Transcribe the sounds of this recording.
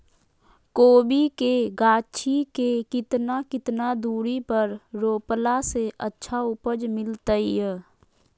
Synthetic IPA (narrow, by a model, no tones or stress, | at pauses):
koːbikeɡaːt͡ʃʰikekɪt̪nakɪt̪nad̪uːɾipəɾɾoːplaseʔətːʃʰaʊpəd͡ʒmɪlt̪əijə